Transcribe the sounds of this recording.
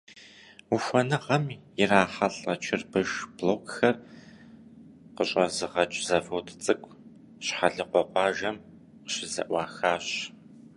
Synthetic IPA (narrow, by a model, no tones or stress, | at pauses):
uxʷɔnɨʁɐmjɪraːħɐɬʼɐt͡ʃʰɪrbɨʒbloːkxɐr | qəɕʼɐzɨʁɐt͡ʃʼzɐfowtʰt͡sʼɨkʷʼ | ɕħaɮɨqʷɔqʷɑːʒɐm | qɕɪzɐ̰ʔʷɑːxaːɕ